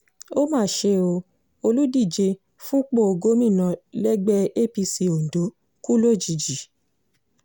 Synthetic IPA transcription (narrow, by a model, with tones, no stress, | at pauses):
o˦mãː˦˨ʃe˧o˧ | o˧lu˦di˦˨d͡ʒe˧ | fũ˦k͡po˦o˧ɡo˦mĩ˦˨nã˧lɛ˦ɡ͡bɛ˦e˦˨pi˧si˧o˨n̩˨do˨˦ | ku˦lo˦˨d͡ʒi˨d͡ʒi˨